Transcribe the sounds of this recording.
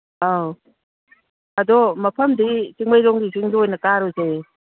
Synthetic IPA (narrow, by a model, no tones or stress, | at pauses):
a | ɐdɔmɐpʰɐmdisiŋbajɾɔŋɡisiŋziojnɐkaɾoze